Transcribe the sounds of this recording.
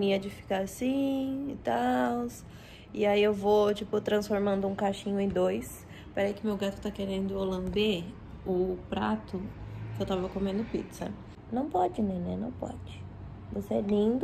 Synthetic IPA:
niɐd͡ʒɪfi̥kaɾasĩt̪aws | ɪaiewvot͡ʃipʊt̪ɾɐ̃sfoɾmɐ̃nd̪ʊũkaʃĩɲʊẽd̪ojs | paɾejkɪʊmewɡat̪ʊ̥t̪akeɾẽnd̪ʊolɐ̃d̪e | ʊpɾat̪ʊkɪewt̪avɐkomẽnd̪ʊpḭt̪sɐ̰ | nɐ̃w̃pɔd͡ʒɪnẽj̃nɛnɐ̃w̃pɔ̰d͡ʒɪ | voseɛlĩd̪ʊ

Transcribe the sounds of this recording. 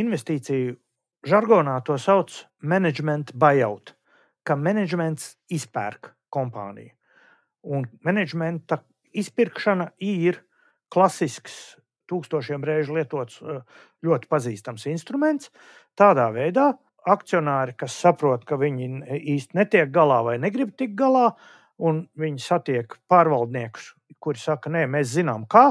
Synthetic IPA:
invɛst̪iːt̪siju | ʒaɾɡɔːnaːt̪uɔsawt̪s | mɛnɛd͡ʒmɛnt̪bajawt̪ | kamɛnɛd͡ʒmɛnt̪s | ispæ̰ːɾk | kɔmpa̰ːnʲḭju | unmɛnɛd͡ʒmɛnt̪a | ispiɾkʃanaiːiɾ | klˠasisks | t̪uːkst̪uɔʃiɛmɾɛːʒlˠiɛt̪uɔt̪s | ʎʲuɔt̪ɪ̥paziːst̪amsinst̪ɾumɛnt̪s | t̪aːd̪aːvɛjd̪aː | ak̚t̪siɔnaːɾɪkasːapɾuɔt̪kaʋiɲiiːst̪ʲnɛt̪iɛk̚ɡalˠaːvajneɡɾib̚t̪ik̚ɡalˠɑː | unviɲsat̪iɛkpaːɾʋalˠd̪niɛkʊ̥s | kuɾsakɐnɛmɛːszinaːmkaː

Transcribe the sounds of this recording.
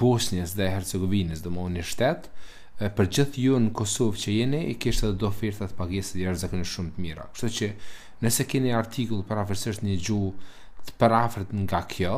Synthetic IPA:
b̥ɔsɲəsðɛhɛɾt͡sɛɡɔvinəsd̪ɔmɔunəʃt̪ɛt̪ | pəɾd͡ʑiθjunəkɔsɔvt͡ɕəjɛniːkiʃt̪ɛðɛd̪ɔfiɾt̪at̪ə̥paɡɛsəjaʃzakɔniʃumt̪əmiɾa̰kə̥ʃt̪ut͡ɕə | nəsɛkɛniaɾt̪ʰikulˠpəɾafəɾsiʃt̪ɲəd͡ʑu | t̪ə̥pəɾafɾət̪ŋɡakʰjɔ

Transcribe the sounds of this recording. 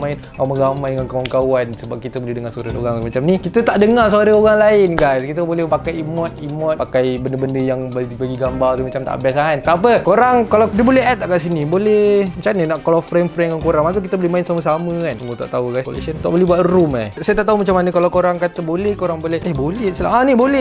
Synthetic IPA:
maɪnkamaɡamajəŋankawankawansəbap̚kit̪əbolɛhdəŋarsaɾəno̰ɣaŋmat͡ʃamnikit̪ət̪aʔdəŋars̬aɾəoɣaŋlaɪnɡajskit̪əbolɛhpakajimɔt̪̚imɔt̪pakajbəndəbəndəjaŋbabaɡiɡambart̪umat͡ʃamt̪a̰ʔbiasaant̪aapəkoɾaŋkalawdiəbolɛɦɛt̪̚ːaʔkaʔs̬inibolɛhmat͡ʃamninaʔklɔfɾɛmfɾɛŋaŋkoɾaŋmak̪̬ək̬it̪əbolɛmaɪnsaməsaməkantuŋut̪a̰ʔt̪auɡaskolḛsənt̪aʔbolɛhbuat̪ruma̰sajət̪aʔt̪aumat͡ʃamanəkalawkoɾaŋkat̪əbolɛhkoɾaŋbolɛhehbolɛhsəla̰anibolɛh

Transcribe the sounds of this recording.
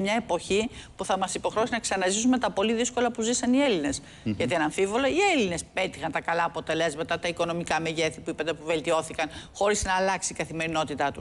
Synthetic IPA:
mɲɐe̞po̞çipuθɐmɐsipo̞xɾeosinɐksɐnɐzis̬ume̞t̪ɐpo̞liðisko̞lɐpuzisɐnie̞line̞s | ʝɐt̪ienɐɱfivo̞loie̞line̞spe̞t̪ixɐnt̪ɐkɐlɐːpo̞t̪e̞le̞zmɐt̪ɐt̪ɐiko̞no̞mikɐmeʝeθipuipɐt̪epuve̞lt̪io̞θikɐnxo̞ɾiznɐːlɐksikɐθime̞ɾino̞t̪it̪ɐt̪u

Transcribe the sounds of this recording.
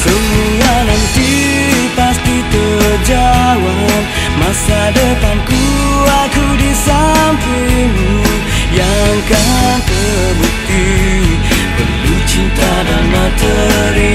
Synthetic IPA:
səmuɡanant̪i | past̪it̪əd͡ʒawan | masadət̪anku | akudisamfimu | jaŋkant̪ə | buk̚t̪i | bə̰bit͡ʃint̪adanat̪ə | ɾi

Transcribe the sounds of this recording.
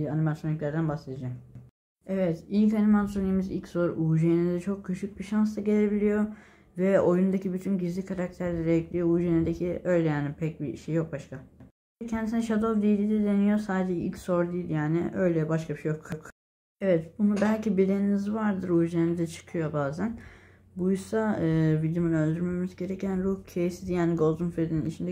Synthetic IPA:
ianimasjoniclʲæɾd̪ænbaxse̞d̪ad͡ʒam | ɛvɛt̪ilʲcanimansoniimizḭlʲcso̞ɾuːʒenid̪ɛt͡ʃʰo̞kcʰːyʃyc̚biʃans̬d̪aɟe̞lʲe̞bilʲijo̞ | vɛojund̪acibyt̪ʰynɟizlʲikʰaɾak̚t̪ʰæɾlʲɛɾɛɛclʲijouːʒened̪ecʰiʔø̞jlʲɛjaːnɪpʰɛc̚biʃejːo̞k̚baʃkʰa | cʰɛnd̪isinɛʃad̪ovd̪ilʲid̪ɛd̪enijo̞saːd̪ed͡ʒɛḭlʲcso̞ɾd̪ijilʲjaːnɪ̰ʔø̞jlʲɛbaʃkʰabiʃejokʰok | evɛt̪bunubælʲcibid̪eninizvaɾd̪ɯɾuːʒenɛd̪ɛt͡ʃʰɯ̥kʰɯjo̞baːzæn | bujusaɯːvid̪jumunø̞lʲd̪yɾme̞mizɟe̞ɾecʰænɾuhcʰejsid̪jaːniɡo̞lˠd̪unfɾed̪ininit͡ʃʰind̪ɛ

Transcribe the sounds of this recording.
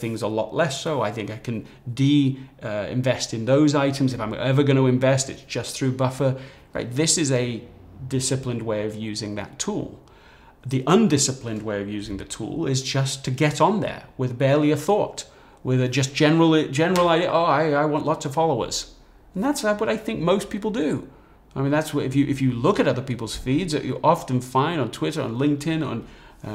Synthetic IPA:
θɪ̃ŋzəlɔ̰ʔˡlɛsoʊaɪθɪ̃ŋkaɪkʰɨ̃n | diʌɪ̰̃ɱvɛstɨ̃nðoʊzaɪɾɨ̃m̩zɨfãɪ̃mɛvə˞ɡʌñəɨ̃ɱvɛstɨtsd̥ʒ̥ʌsθɹʉbʌfə˞ | ɹa̰ɪt̪̚ðɪsɨzɨ | dɪsɨplɨ̃nd̚weɪʌvjʉzɪ̃ŋðɨ̰tʰṵlˠ | ðiʔʌ̃ndɪsɨplɨ̃nd̚weɪʌvjʉzɪ̃ŋðɨtʰṵlˠɪzd͡ʒʌstʰɨɡɛɾn̩ðə̰˞wɪðbɛɹlˠiɨθɔt | wɪðɨd͡ʒʌsd̥ʒ̥ɛnə˞l̩ˠid͡ʒɛnə˞l̩ˠaɪɾiʔoaɪaɪwɑ̃nʔlɑtsʌv̥fɑlˠoʊə̰z̥̃ | n̩ðæts̚wʌɾaɪθɪ̃ŋk̚moʊspʰipl̩ˠdɨ | aɪmĩnðætswʌɨfjɨʔɨfjɨlʊkɨɾʌðə˞pipl̩ˠz̥fidzɨ̰ʔə̰˞ʔɑfɨ̃n̩fãɪ̃nd̃n̩tʰw̥ɪɾə˞ə̰̃nlɪ̃ŋk̚tɪ̃nə̰̃n

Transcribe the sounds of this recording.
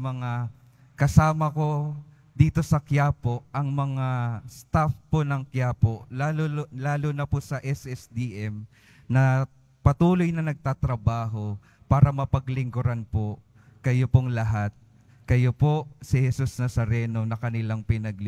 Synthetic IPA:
mɐŋa | kɐsaːmɐko̞ | d̪iːt̪o̞sɐkjaːpo̞ʔɐŋmɐŋast̪afponɐŋkjaːpo̞laːllaːlonɐposɐʔɛsʔɛsd̪iʔɛm | nɐ | pɐt̪uːlo̞jnɐnɐɡ̚t̪aːt̪ɾɐbaːɦo̞ | paːɾɐmɐpɐɡlɪŋɡʊɾanpo̞ | kɐjopoŋlɐɦat̪̚ | kɐjoposɪhɛsusnɐsɐɾɛːno̞nɐkɐnɪlaŋpɪnɐɡl

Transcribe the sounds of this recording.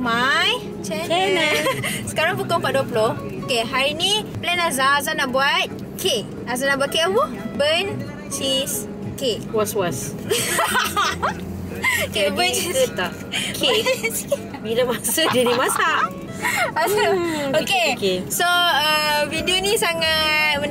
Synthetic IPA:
maj | t͡ʃɛɛnasə̥kaɾãŋpukɔ̃paduəpəloh | okeɦaɾiniplɛnazaːzanaʔbuat̪̚ | kʰe | azanaʔbuat̚keəwɔ | bən | t͡ʃis | ke | waswas | kebəniut̪a | kʰe | bidəmasudidimasaʔ | masuokekesoəvidionisaŋat̚mən

